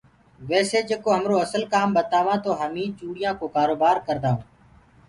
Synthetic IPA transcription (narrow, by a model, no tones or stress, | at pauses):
ʋɛːseːd͡ʒeːkoːɦəmɾoːəsəlkaːmbət̪aːʋãːt̪oːɦəmĩːt͡ʃuːɽɪjãːkoːkaːɾoːbaːɾkəɾd̪aːõː